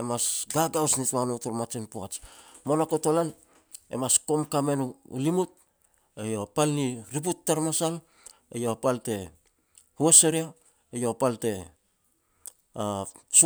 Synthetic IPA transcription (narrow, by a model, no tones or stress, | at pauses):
emasɡaɡawsnitwanotoɾmat͡ʃinpoat͡ʃ | monakotolan | ḛmasko̞mkame̞nṵlimut̚ | ejopalniɾip̬utːaɾmasal | ejopalte̞ | hueseɾia | ejopalte̞ | as